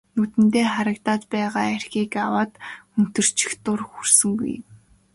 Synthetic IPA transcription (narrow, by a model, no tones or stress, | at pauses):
nɵt̪ɘ̆nt̪eːχaɾə̆kt̪aːt̪pæːʁaːærxiːkawaːt̪ɵn̥t̪ɵ̆r̥t͡ɕʰɪ̥̆xt̪ʊrxursɵ̆ŋɡṵj